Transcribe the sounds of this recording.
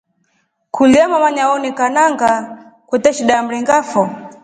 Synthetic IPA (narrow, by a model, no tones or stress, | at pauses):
kʰuliamamaɲaɔnikanaŋɡakwɛtɛʃiɗam̩ɾiŋɡafɔ